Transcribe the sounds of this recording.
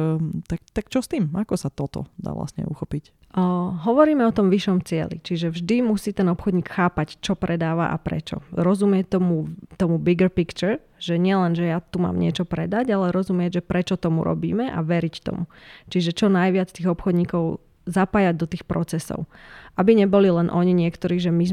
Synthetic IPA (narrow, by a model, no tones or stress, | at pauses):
t̪ak̚t̪akt͡ʃɔst̪iːmakɔsat̪ɔt̪ɔ̰d̪a̰ːʋla̰st̪ɲɛ̰ṵxɔpicː | ɦɔʋɔɾiːmɛɔt̪ɔmʋiʃɔmt͡sɪɛ̰lḭt͡ʃiʒɛvʒd̪imusiːt̪ɛnɔpxɔd̪ɲiːkxaːpact͡ʃɔpɾɛd̪aːʋa̰ʔa̰pɾɛ̰t͡ʃɔ̰ɾɔzumɪɛt̪ɔmut̪ɔmubiɡəɾpikt͡ʃɛɾ | ʒɛɲɪɛlɛnʒɛjat̪uma̰ːmɲɪɛt͡ʃɔpɾɛd̪acalɛɾɔzumɪɛɟʒɛpɾɛt͡ʃɔt̪ɔmṵɾɔ̰bḭːmɛʔa̰ʋɛɾict̪ɔ̰mut͡ʃiʒɛt͡ʃɔnajʋɪat͡st̪iːɣɔpxɔd̪ɲiːkɔʊ | zapaːjaɟ̚d̪ɔt̪iːxpɾɔt͡sɛsɔ̰ʊʔabiɲɛbɔlilɛnʔɔɲiɲɪɛkt̪ɔɾiːʒɛmiz